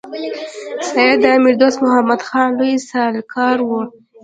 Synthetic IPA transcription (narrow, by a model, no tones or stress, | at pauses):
sɑjɪd̪əamɪɾd̪osmʊɦamad̪xɑnlujsalkʰɑɾwu